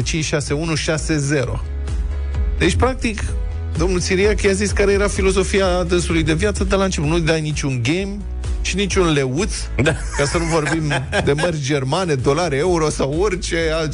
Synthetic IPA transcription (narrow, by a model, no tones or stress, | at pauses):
t͡ʃint͡ʃʲʃase̞unuʃase̞ze̞ɾo̞̰ | d̪̥e̞t͡ʃʲpɾak̚t̪ik | d̪o̞mnulsiɾiakjaziskaɾe̞je̞ɾafilo̞zo̞fiad̪ɨnsulujd̪e̞vjat̪səd̪əlant͡ʃipunud̪ajnit͡ʃʲunɡʲem | t͡ʃinit͡ʃʲunle̞ut̪s | a | kasənuvo̞rbimd̪e̞mərʲd͡ʒe̞rmane̞d̪o̞laɾʲeuɾo̞saworʲt͡ʃe̞al